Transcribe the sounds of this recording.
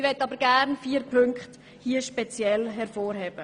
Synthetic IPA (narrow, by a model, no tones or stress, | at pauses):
ʋɛtːɑbəɾɡ̥æɾnfiːɾpʰɵŋkχt | hiːəʃpɛt͡sjɛlɦɛɾfoːɾhɛːb̥ə